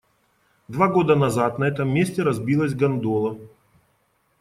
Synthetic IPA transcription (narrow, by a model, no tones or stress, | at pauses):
d̪vaɡo̞d̪ənɐzat̪nɐɛt̪əmːʲesʲtʲɪɾɐzbʲilˠəzʲɡɐnd̪olˠə